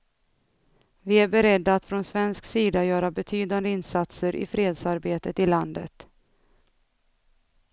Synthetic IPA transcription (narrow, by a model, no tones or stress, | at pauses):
vɪæɾbɛɾɛd̪ːaːt̪fɾɔnsvɛnsksiːd̪ajœːɾabɛt̪ʰyːd̪and̪əɪnsat̪səɾʔɪ̰fɾeːd̪saɾbeːt̪ət̪ɪland̪ə̰t̪